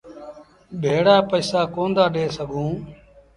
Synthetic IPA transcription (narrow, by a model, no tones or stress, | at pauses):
bʱeːɽaːpəːsaːkoːnd̪aːɗeːsəɡʱũː